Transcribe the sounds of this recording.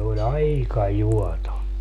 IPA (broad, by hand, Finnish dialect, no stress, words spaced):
olʲ ɑikɑ juɔto